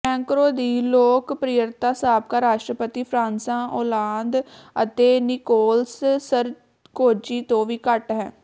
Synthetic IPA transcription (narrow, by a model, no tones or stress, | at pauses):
ɛ̃ːŋkɾoːd̪iːloːkpɾɪjəɾt̪aːsaːb̚kaːɾaːʃʈɾəpət̪iːpʰɾãːnsãːʔoːlaːnd̪ə̰t̪eːnɪkoːlssəɾ | koːd͡ʒiːt̪õːʋiːkəʈɦɛ̃ː